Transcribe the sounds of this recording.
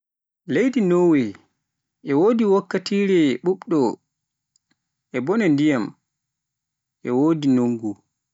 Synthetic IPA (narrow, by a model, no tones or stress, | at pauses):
lejdinowɛ | ʔɛwoːdiwokːatiːɾɛɓuɓɗɔ | ʔɛbɔnɛndijam | ʔɛwoːdinoŋɡu